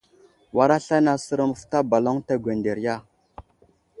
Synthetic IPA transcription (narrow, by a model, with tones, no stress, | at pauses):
wa˦ɾa˦ɬa˦na˨sə˦ɾə˦mə˨fta˦ba˨lo˦ŋta˦ɡʷe˨nde˨ɾja˦